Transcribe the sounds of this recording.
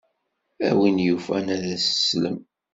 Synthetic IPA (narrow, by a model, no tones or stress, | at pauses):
æ̰winjufænæðæsə̥slə̰m